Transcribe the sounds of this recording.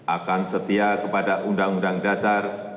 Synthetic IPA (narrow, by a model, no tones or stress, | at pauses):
ʔakansət̪iakəpadaʔundaŋundaŋdasar